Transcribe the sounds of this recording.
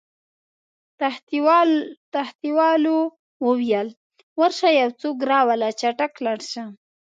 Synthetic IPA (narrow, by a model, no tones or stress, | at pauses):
t̪aht̪iwɑlo | wəwjal | waɾʃajawt͡sokɾɑwalat͡ʃaʈaklaɽʃa